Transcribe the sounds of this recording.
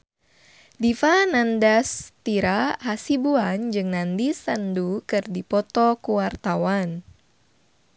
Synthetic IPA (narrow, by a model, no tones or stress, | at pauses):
difanandast̪iɾaɦasibuand͡ʒɨŋnandisandukɨrdipɔt̪ɔkuwart̪awan